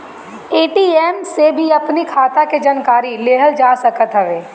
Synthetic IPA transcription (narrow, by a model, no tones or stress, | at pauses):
eːʈiːeːmsebʱiɐpnikʰaːt̪aked͡ʒənkaːɾileːɦəld͡ʒaːsəkət̪ɦəʋeː